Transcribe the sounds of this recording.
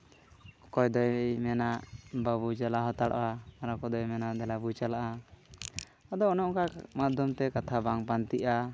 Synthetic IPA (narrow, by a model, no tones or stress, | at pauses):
kɔjd̪ɔjmɛnaʔbabut͡ʃalaɦɔt̪aɽɔ̰ʔaaɾakɔd̪ɔjmɛnad̪ɛlabut͡ʃalaʔa | ad̪ɔɔnɔɔŋkamad̪ɔmt̪ɛkat̪ʰabaŋpant̪iʔa